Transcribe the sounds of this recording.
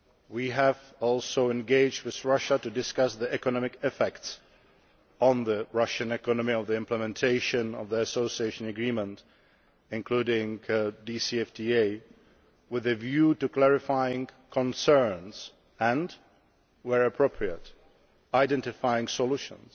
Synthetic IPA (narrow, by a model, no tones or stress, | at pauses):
wiæv | ɔlˠsoʊɛ̃nɡeɪd͡ʒd̚wɪðɹʌʃətudɪskʌsðiɛkɔnɑmɪkɛfɛkts | ɔ̃n̩ðəɹʌʃɨ̃nɛkɔnəmiʌvðiɪ̃mpləmɛ̃ntʰeɪʃɨ̃nʌ̰vðiəsoʊsieɪʃɨ̃nɨɡɹĩmə̃nt | ɪ̃nkʰl̥uɾɪ̃ŋdisiɛftʰieɪ | wɪðɨvjutuklɛɹɪfaɪɪ̃ŋkʰə̃nsɜ̃˞nz̥ | ə̃nd | wəɹɨpʰɹ̥oʊpʰɹiət | aɪdɛ̃ntɪfaɪɪ̃ŋsɔluʃə̰̃ns